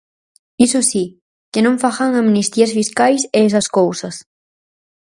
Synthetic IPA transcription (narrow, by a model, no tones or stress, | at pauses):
isʊsi | kɪnõɱfaxaŋamnist̪iɐsfiskajseesɐskowsɐs